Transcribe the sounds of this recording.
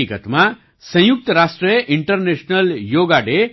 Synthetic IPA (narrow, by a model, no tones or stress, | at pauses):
ikət̪mã | sə̃juk̚t̪əɾasʈɾijəʔɪɳʈəɾneʃnəljoɡaɖe